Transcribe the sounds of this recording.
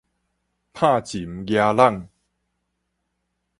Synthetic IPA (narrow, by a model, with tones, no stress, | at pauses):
pʰã˥˨t͡ɕi˨˦mɡja˧la˥˨ŋ